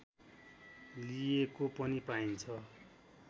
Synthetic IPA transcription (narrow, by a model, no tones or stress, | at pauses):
lijekopʌnipaint͡sʰʌ